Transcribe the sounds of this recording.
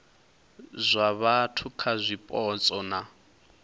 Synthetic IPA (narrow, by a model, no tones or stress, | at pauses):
zʷaβatʰukʰazʷipʼɔt͡sʼɔna